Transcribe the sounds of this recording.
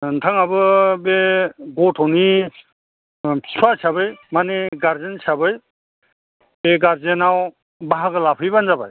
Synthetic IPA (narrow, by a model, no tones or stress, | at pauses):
ntʰaŋabɯbeɡotʰɔni | sʰwasabɯjmaneɡaɾzensʰabɯj | beɡaɾzenaw | baɦaɡɯlapʰɯjbanzabaj